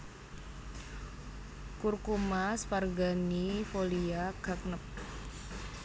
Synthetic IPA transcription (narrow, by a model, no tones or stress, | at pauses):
kurkumasparɡanifoliaɡ̥a̤k̚nəp̚